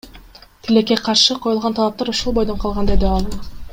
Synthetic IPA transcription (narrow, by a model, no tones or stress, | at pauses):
t̪ʰile̞kːeqʰɑɾʃɯqʰo̞julˠʁɑnt̪ɑlˠɑp̚t̪ɑɾuʃulˠbo̞jd̪onqʰɑlˠʁɑnd̪e̞d̪iɑlˠ